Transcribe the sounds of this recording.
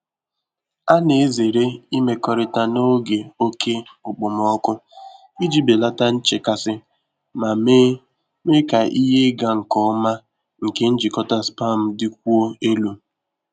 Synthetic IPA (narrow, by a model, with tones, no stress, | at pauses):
a˦ne˨e˦ze˨ɾe˦i˦me˨kɔ˦ɾɪ˦ta˦no˦ɡe˨o˦kʰe˦ʊ˨k͡pʊ˨mɔ˦kʊ˦ | i˦d͡ʒi˦be˨la˦ta˦n̩˦t͡ʃe˨ka˨sɪ˦ | ma˨m˦ | me˦ka˨ʔi˦ɦe˦ɡa˨ŋ̩˨kɔ˦ma˦ | ŋ̩˨ke˦n̩˦d͡ʒi˨kɔ˦ta˦spa˦˨m̩˦dɪ˦k̚ʷu˦o˦e˦lu˨